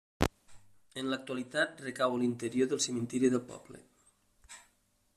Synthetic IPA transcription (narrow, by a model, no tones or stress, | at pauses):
ənləak̚t̪ualit̪at̪̚rekawəlint̪eɾjoðəlˠsəment̪ɛɾjuðəlˠpɔ̰blḛ